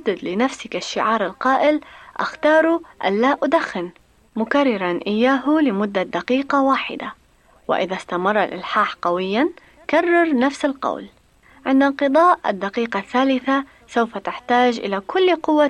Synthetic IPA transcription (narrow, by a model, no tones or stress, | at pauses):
ad̪ːɪd̪lɪnafsɪkaʃːɪʕɑːɾˤɪlqɑːʔɪlʔa̰xt̪ɑːɾˤuʔa̰nlaːʔʊd̪axːɪn | mʊkarˤːɪɾˤɑnʔɪjːaːɦʊlɪmʊd̪ːad̪aqiːqɑwaːħɪ̰d̪a | wɪ̰ʔɪðast̪amɑrˤːalʔɪ̰lħaːħqɑwɪjːan | karˤːɑɾˤnafsalqɑ̰wl | ʕɪnd̪alqɨd̪ˤɑːʔɪ̰d̪ːaqiːqɑθːaːlɪθa | sawfat̪ɪħt̪aːʒʔɪ̰lakʰʊlːqʊwːa